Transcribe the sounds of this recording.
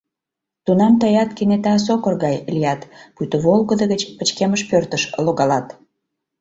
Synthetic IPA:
t̪unɑmt̪əjɑt̪kenet̪ɑs̬okərɣɑjlʲijɑt̪put̪əβolɣəd̪əɣət͡ɕpət͡ɕkeməʃpørt̪əʃloɣɑlɑt̪

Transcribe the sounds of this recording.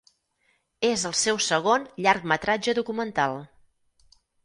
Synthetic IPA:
ezəlˠsɛwsəɣ̞onʎaɾkmət̪ɾad͡ʒəðukumənt̪alˠ

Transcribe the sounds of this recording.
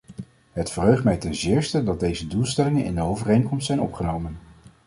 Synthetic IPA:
ɦətfərɦøɥχtmɛjtɛnzɪːɹstədɑd̚dejzədulˠstɛlɪŋənɪ̰ndəowvərejŋkɔmstsɛjnɔpχənowmən

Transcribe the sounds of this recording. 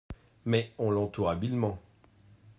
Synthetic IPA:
mɛɔ̃lɑ̃t̪uʁabilmɑ̃

